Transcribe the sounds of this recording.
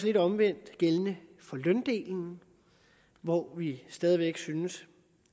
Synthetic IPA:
sle̝dɒ̽mʋen̰d̥ɡ̥elənəfɒ̽lœnd̥e̝̰ːln̩ | ʋɒʋisd̥ɛːð̞ˠʋeɡ̥synəs

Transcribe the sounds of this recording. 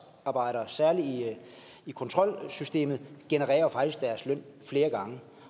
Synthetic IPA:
ɑ̈ːb̥ɑ̈ɪ̰ɾ̥ɐsæɐli | ikʰɒ̽nt͡sʰʁɒ̽l̰sysd̥e̝̰ːmð̩ˠɡ̥enəʁɛ̰ːɐfɑ̈ɡ̥d̥isɡ̥d̥æɐslœn̰fle̝ːɐɡ̥ɑ̈ŋə

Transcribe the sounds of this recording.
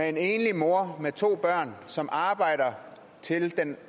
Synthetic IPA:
ee̝ne̝ːnlimo̝ɐmet͡sʰo̝̰ːb̥ɶɐ̰nsɒ̽mʔɑ̈ːb̥ɑ̈ɪ̰ɾ̥ɐ | t͡sʰe̝ld̥en

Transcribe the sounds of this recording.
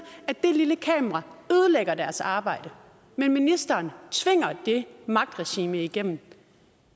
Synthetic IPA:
æd̥e̝liləkʰɛ̰ːmɐʁɑ̈øːð̞ˠəleɡ̥ɐd̥æɐsɑ̈ːb̥ɑ̈ɪ̰d̥ə | menminisd̥ɐːnt͡sʰʋe̝ŋ̰ɐd̥e̝mɑ̈ɡ̥̚d̥ʁɛɕḭːməiɡ̥em̰n̩

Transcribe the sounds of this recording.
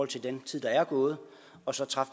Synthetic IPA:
ɒ̽l̰t͡sʰeld̥ent͡sʰið̰̥ˠɑ̈æɐɡ̥ɔ̽ːð̞̩ˠ | ɒ̽sɒ̽t͡sʰʁɑ̈f

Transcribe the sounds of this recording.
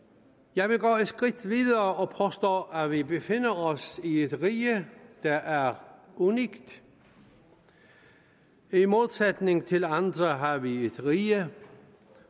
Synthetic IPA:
jɑ̈ɪʋe̝ɡɔ̰ːesɡ̥ʁid̥ʋiðˠɐːɒpʰɒsd̥ɔ̰ːæʋibe̝fe̝n̰ɐɒsied̥ʁiːəd̥ɑʔæɐ | uniɡ̥d̥ | imo̝ðˠsed̥ne̝ŋt͡sʰe̝lɑnd̥ʁəɦɑ̈ʋied̥ʁiːə

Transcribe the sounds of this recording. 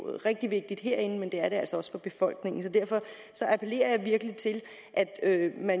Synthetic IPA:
ʁɛɡ̥d̥iʋe̝ɡ̥̚d̥id̥ɦeɐ̰e̝nn̩mend̥e̝æɐɾe̝ælsɒɒ̽sfɒ̽b̥e̝fɒ̽l̰ɡ̥ne̝ŋn̩sɒ̽d̥æɐ̰fɒ̽ | sɒ̽ʔæpʰele̝̰ːɐjɑ̈ɪʋiɐɡ̥əlit͡sʰe̝l | ʔæd̥ømæn

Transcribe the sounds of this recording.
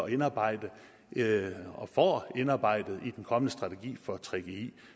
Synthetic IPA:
ɒenɑ̈ːb̥ɑ̈ɪ̰d̥ə | ɒ̽fɒ̰e̝nɑ̈ːb̥ɑ̈ɪ̰d̥ð̩ˠid̥enkʰɒ̽mənəsd̥ʁɑ̈t͡sʰe̝ɡ̥ḭːfɒ̽t͡sʰʁeɡ̥eḭː

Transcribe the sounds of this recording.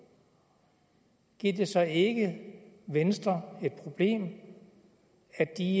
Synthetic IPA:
ɡ̥ḭd̥e̝sɒ̽e̝ɡ̥əʋensd̥ʁɐe̝d̥̚pʰʁo̝b̥le̝̰ːm | æd̥i

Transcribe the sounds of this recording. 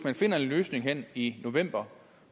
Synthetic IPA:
mænfe̝n̰ɐe̝nløːsne̝ŋɦen̰ino̝ʋem̰b̥ɐ

